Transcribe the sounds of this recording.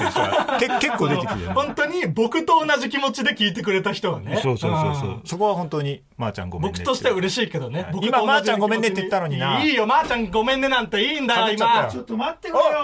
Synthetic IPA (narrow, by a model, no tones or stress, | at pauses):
skekekːod̪eehõ̞nt̪o̞ɲ̟ibo̞kɯ̟t̪o̞ːnaʑikʲimo̞t͡ɕid̪e̞kʲiːt̪̬e̞k̬ɯ̟ɾe̞t̪açi̥t̪o̞βa̰ne̞soːsõsoso̰so̞ko̞βahont̪oɲi | ma̰ːt͡ɕã̰ŋɡombo̞knɯt̪o̞ɕi̥t̪eaɯ̟ɾe̞ɕiːke̞d̪o̞nebo̞kɯtmaoːmaad͡ʑt͡ɕãŋɡomẽnet̪ːeit̪ːanoɲinaiːjo̞maːt͡ɕãŋɡo̞mẽ̞nːenãnt̪e̞iːnd̪aimaoot̪ːo